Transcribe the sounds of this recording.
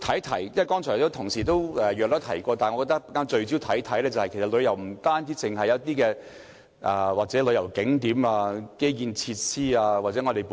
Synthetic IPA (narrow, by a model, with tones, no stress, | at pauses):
t̪ʰɐ˨˥jt̪ʰɐ˨˩jjwjkɔː˥ŋt͡ʃʰœː˨˩t̪o˥t̪ʰʊ˨˩ŋsiː˨˩t̪o˥wɛː˨˧jœː˨k̚lɔ˥t̪ʰɐ˨˩jkɔː˧t̪aː˨nŋɔ˨˧kɔː˧t̪ɐ˥k̚pːkːaː˥nt͡ʃɵ˧ɥt͡siː˨˥wt̪ʰɐ˨˥jt̪ʰɐ˨˥jlɛː˥t͡sɐ˨whɐ˨jkʰe˨˩sɐ˨t̚lɵ˨˧jɐ˨˩wm̩˨˩t̪aː˥nt͡siː˨˥t͡sɪ˨˩ŋhɐ˨jɐ˨˧˥t̪iː˥kɛː˧ | ʔaː˨waː˨t͡sɛː˨˥lɵ˨˧jɐ˨˩wkɪ˨˥ŋt̪iː˨˥maː˧ke˥jjiː˨nt͡sʰiː˧t̚siː˥aː˧waː˨t̚t͡sɛː˨˥ŋɔː˨˧d̪e˨˩j